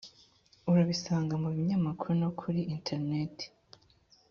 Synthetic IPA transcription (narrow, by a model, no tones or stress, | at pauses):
uɾaβisaːŋɡamuβiɲamakʰuɾuno̞kʰuɾiintʰeɾnete̥